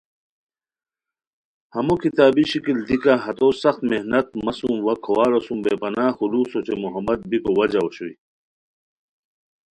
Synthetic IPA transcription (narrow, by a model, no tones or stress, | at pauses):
hɐmokit̪aːbiɕikild̪ikaɦɐt̪oːsɐxt̪mehnɐt̪̚mɐsumwɐkʰowaːɾosũmbepɐnaːxuluːsot͡ɕemuɦɐmːɐd̪̚bikowɐd͡ʑaoɕuḭ